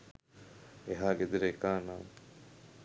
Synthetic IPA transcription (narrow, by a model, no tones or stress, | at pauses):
eɦaːɡed̪iɾeːkaːnaː